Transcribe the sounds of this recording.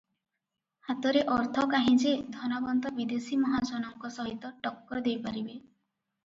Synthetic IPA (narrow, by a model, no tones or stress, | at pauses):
hat̪ɔɾeʔɔɾt̪ʰɔkaɦĩd͡ʒed̪ʱɔnabɔnd̪ɔbid̪esimɔɦad͡ʒɔnɔŋkɔsɔɦit̪ɔʈɔkːɔɾd̪ejpaɾibe